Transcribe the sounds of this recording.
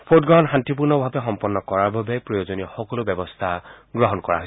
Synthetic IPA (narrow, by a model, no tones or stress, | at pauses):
pʰot̚ɡɹɔɦɔnxantip̬uɹnɔbʱabɛxɔmpɔnːɔkɔɹaɹbʱabɛpɹɔjozonixɔkɔlobjɛbɔst̪ʰaɡɹɔɦɔnkɔɹa̰ɦojs